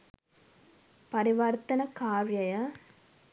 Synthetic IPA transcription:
pɐɾiʋɐɾt̪ɐnɐkaːɾjɐjɐ

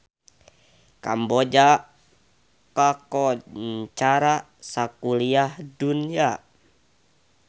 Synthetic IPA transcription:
ka̰mbɔd͡ʒa | kakɔt͡ʃaɾa | sakuliahdunia

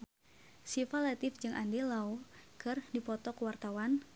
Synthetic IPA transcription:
sifalat̪ɪfd͡ʒɨŋʔandelaukərdipɔt̪ɔkəwart̪awan

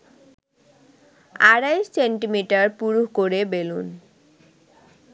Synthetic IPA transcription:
aɾajʃseɳʈimiʈaɾpuɾuhkoɾebelun

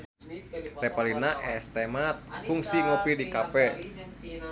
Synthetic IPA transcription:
tɛpalinaʔɛst̪ɛmat̪̚fuŋsiŋopidikapɛ

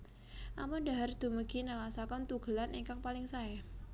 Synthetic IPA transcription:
ʔamunda̤ɦard̪̥ṳməɡ̥inəlasakɔnt̪uɡ̥ə̤laniŋkaŋpalɪŋsaɛ

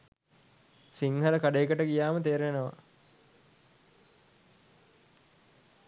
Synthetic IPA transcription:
siŋhəɾəkaɖeːkəʈəɡijaːmət̪eːɾʋenəʋa̰

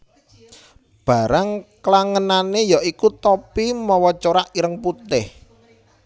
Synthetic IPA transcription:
b̥a̤ɾaŋklaŋənanejaʔikut̪opimɔwɔt͡ʃoɾaʔiɾəŋput̪ɪh

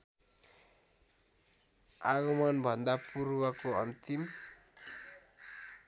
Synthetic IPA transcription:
aɣʌmʌnbʱʌnd̪apuɾwʌkoʌnt̪im

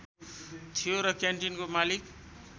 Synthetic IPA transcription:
t̪ʰijoɾʌkjaɳʈinkomalik

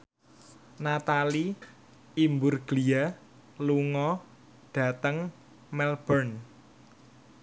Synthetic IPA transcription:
nat̪ali | imbʊrɡ̥lia | luŋɔ | ɖ̥ä̤t̪əŋ | mɛlb̥ərn

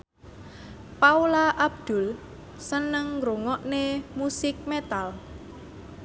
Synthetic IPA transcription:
paulaʔab̚d̪̥ʊ̤l | sənəŋɾoŋɔʔnemusɪk̚met̪al

